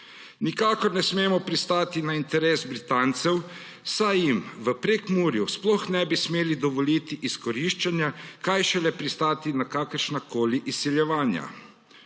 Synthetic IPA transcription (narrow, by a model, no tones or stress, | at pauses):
nikaːkɔɾnɛsmeːmɔpɾist̪aːt̪inaint̪ɛɾeːsbɾit̪ant̪sɛw | sajimʋəpɾekmuːɾjusplɔxnɛbismeːlid̪ɔʋɔliːt̪iʔiskɔɾiʃt͡ʃanjakajʃɛlɛpɾist̪aːt̪inakaːkəɾʃnakoːliʔisːiljɛʋaːnja̰